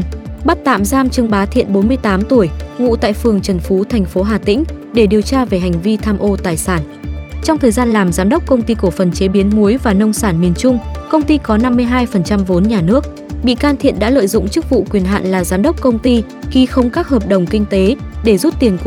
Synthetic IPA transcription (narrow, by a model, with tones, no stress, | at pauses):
ɓa˦˥t̚t̪a̰ː˧˨mzaː˧mt͡ɕɨ˧əŋɓaː˨˦t̪ʰḭ˧˨ənɓo˨˦nmɨ˧əjt̪aː˨˦mt̪u˧˩əjvṵ˧˨t̪a̰ː˧˨jfɨ˨˩əŋt͡ɕə˨˩nfu˨˦t̪ʰɛ˨˩jŋ̟fo˨˦ɦaː˨˩t̪ḭ̈˧˥ŋ̟ | ɗe˧˩ɗi˨˩əwt͡ɕaː˧ve˨˩ɦa˨˩ŋ̟vi˧t̪ʰaː˧mʔo˧t̪aː˨˩jsaː˧˩n | t͡ɕɔ˧wŋ͡mt̪ʰəː˨˩jzaː˧nlaː˨˩mzaː˨˦mɗə˦˥k͡p̚kə˧wŋ͡mt̪i˧ku˧˩əfə˨˩nt͡ɕe˨˦ɓi˨˦ənmu˨˦əjvaː˨˩nə˧wŋ͡msaː˧˩nmi˨˩ənt͡ɕʊ˧ŋ͡mkə˧wŋ͡mt̪i˧kɔ˨˦na˧mːɨ˧əjɦaː˧jfə˨˩nt͡ɕa˧mvo˨˦nɲaː˨˩nɨ˦˥ək̚ | ɓḭ˧˨kaː˧nt̪ʰḭ˧˨ənɗa̰ː˧˥lə̰ː˧˨jzʊ̰˧˨ŋ͡mt͡ɕɨ˦˥k̚vṵ˧˨kwi˨˩ənɦa̰ː˧˨nlaː˨˩zaː˨˦mɗə˦˥k͡p̚kə˧wŋ͡mt̪i˧ | ki˨˦xə˨˦wŋ͡mkaː˦˥k̚həː˨˩p̚ɗə˨˩wŋ͡mki˧ŋ̟t̪e˨˦ɗe˧˩zu˦˥t̚t̪i˨˩ənk